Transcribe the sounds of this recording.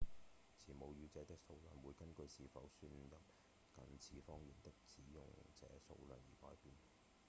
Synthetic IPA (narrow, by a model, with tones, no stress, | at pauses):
t͡sʰiː˨˩mo˨˧wjyː˧t͡sɛː˨˥t̪ɪ˥k̚so˧wlœː˨˩nwuː˨˧jkɐ˥nkɵ˧ɥsiː˨˧fɐ˨˥wsyː˧njɐ˨p̚ | kɐ˨nt͡sʰiː˨˥fɔː˥ŋjyː˨nt̪ɪ˥k̚t͡siː˨˥jʊ̰˨˩ŋt͡sɛ̰ː˨˥so̰˧wlœː˨˩njiː˨˩hɔː˨˥jpiː˨˧n